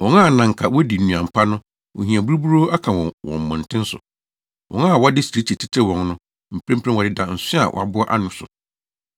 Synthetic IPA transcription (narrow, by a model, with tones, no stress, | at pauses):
wɔ̃˨ŋa˦˨nã˨ŋ̩˨kʰa˨wɔ˦di˨nũ˨ã˨m̩˨pʰa˦nʊ̃˦ | wɔ̰˨ɦĩ˨a˨bu˦ɾu˦bu˦ɾo˦a˦kʰã˨wɔ̃˨wɔ̰̃˨m˨mʊ̃˨n˨tʰɪ̃˦n̩˦sʊ̰˨ | wʔɔ̃˨ŋã˦˨wɔ˦dɪ˦sɾi˦tʰi˨tʰi˦tʰe˦wɔ̃˨nnʊ̃˦ | m̩˨pʰɾẽ˦mpʰɾẽ˦wɔ˨dɪ˦dã˨n̩˨sɪ̃˦a̰˨wʔɔ̰˨a̰˨bʊ˦ɔ˦ʔa̰˦nʊ̃˨sʊ̰˨